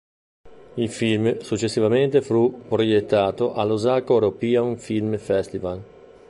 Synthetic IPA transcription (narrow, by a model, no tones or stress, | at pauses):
ilfilmsut͡ʃːesːivament̪efɾupɾojet̪ːaːt̪oʔalːozakoɾopiaunfilmfɛst̪ival